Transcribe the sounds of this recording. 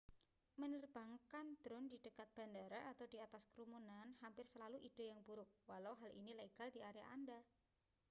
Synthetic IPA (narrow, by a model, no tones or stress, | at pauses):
mənərb̥aŋkand̪̥ɾʊndi̤d̥əkat̪̚b̥a̤ndaɾaʔat̪awd̥iat̪askɾumunanhampɪrsəlaluʔid̥o̤jaŋbuɾʊk̚walawɦalʔḭnilaiɡ̥aldiʔaɾja̰ʔanda